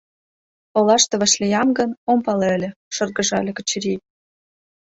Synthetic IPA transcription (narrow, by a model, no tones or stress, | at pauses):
olɑʃt̪ɤ̆βə̆ʃlʲejɑmɡə̆nompɑlɘ̆lʲĕʃɤ̆rɣə̆ʒɑlʲĕkə̆t͡ɕɾi